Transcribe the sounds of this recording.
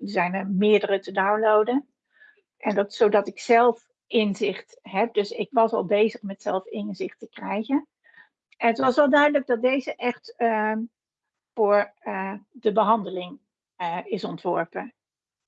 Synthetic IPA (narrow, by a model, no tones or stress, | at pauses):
dəzɛjnəɹmɪːəɹdərətədawnlowdən | ʔɛndɑtsowdɑtɪksɛlˠf | ɪnzɪχt | ɦɛp̚dɵsɪkʋɑsɑlˠbejzəχmɛtsɛlˠfɪnzɪχtəkrɛjχən | ɛnətʋɑsʋɛlˠdœɥdələɡ̚dɑt̚dejzəʔɛχt | fʊːɹ | dəbəɦɑndəlɪŋ | ɪsɔntʋɔɹpə